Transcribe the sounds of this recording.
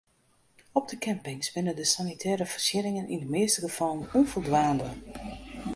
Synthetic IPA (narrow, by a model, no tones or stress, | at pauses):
ɔb̚dəkʰɛmpɪŋsbɪnədəsanitʰɛːɾəfərsjɪɾɪŋənʔḭndəmɪːstəɡəfɔlˠnonfolˠdʋaːndə